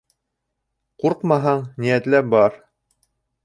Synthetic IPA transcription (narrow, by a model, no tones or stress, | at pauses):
quɾqmɑɦɑɴnijæt̪læp̚bɑɾ